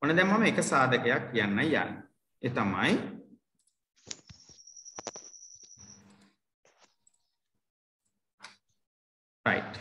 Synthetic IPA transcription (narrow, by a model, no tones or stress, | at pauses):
onəd̪ɛmːaməekəsaːd̪əkəjakːijanːajja̰nː | et̪amaj | ra̰iʈ